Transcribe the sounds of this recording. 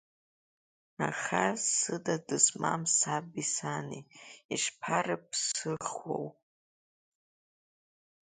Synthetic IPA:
aχasɨdadɨsma̰msabisaniiʂpʰarɨp̚ʰsɨχwo̰w

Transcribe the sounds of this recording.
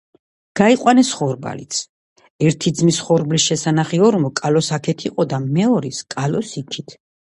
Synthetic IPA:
ɡ̥aiqʼwanɛsχɔɾba̰lḭt̪sʰ | ɛɾt̪ʰid̪zmisχɔɾblisʃɛsanaχiɔɾmɔkʼalɔsakʰɛt̪ʰiqʼɔd̪amɛɔɾiskʼalɔsikʰit̪ʰ

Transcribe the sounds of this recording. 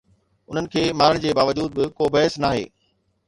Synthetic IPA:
ʊn̤ənɪ̆kʰeːmaːɾəɽ̃d͡ʑeːbaːʋɐd͡ʑuːd̪̚bɪkobɐɦɪsnaːɦḛː

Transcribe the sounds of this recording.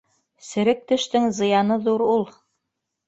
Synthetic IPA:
sɘ̆ɾɘk̚t̪ɵ̆ʃt̪ɘŋzɤ̆jɑnɤðuɾulˠ

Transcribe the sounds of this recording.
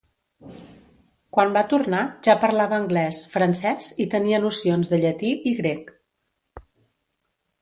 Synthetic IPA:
kwambat̪urnaʒapəɾlaβəːŋɡlɛsfɾənsɛsit̪əniənusionzðəʎət̪iʔiɣɾek

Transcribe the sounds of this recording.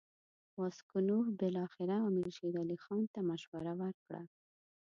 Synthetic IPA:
waskunuhbɪlɑxɪɾaamɪlʃed̪alixɑnt̪amaʃwaɾawaɾkɽa̰

